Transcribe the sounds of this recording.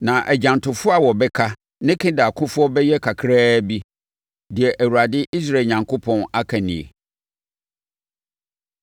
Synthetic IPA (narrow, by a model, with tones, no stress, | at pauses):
nã˨ʔæ˨d͡ʑã˨ntʰʊ˨fʊ˦a˨wɔ˨bɛ˦kʰa˦ | nɪ̃˦kʰɪ̃˦da˨a˨kʰʊ̃˦fʊ˦ɔ˦bɛ˦jɛ˦kʰa˨kʰɾaː˦bi˦ | dɪ˨ɛ˨ʔæ˨wu˨ɾa˨dɪ˦ʔi˦s̬ɾa˦e˨ɲã˨ŋkʰo˦pʰɔ̃˦na˦kʰa˨nɪ̰̃˨ḛ˨